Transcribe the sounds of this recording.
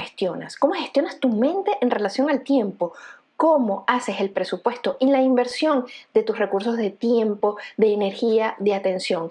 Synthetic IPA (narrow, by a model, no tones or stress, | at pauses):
est̪jo̞na̰sko̞mo̞xe̞st̪jo̞nast̪umẽ̞nt̪e̞ʔenre̞lasjo̞ŋalt̪je̞mpo̞ | ko̞mo̞ase̞se̞lpɾe̞supwe̞st̪o̞ʔinlaimbe̞ɾsjo̞nd̪e̞t̪usre̞kuɾso̞zðe̞t̪je̞mpo̞ðe̞ːne̞ɾxiaðeat̪ensjo̞ŋ